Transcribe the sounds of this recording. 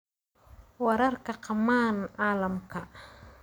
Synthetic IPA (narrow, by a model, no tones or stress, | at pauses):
wɐɾɐrkʰɐqɑmaːnʔaːlɐmkʰɐ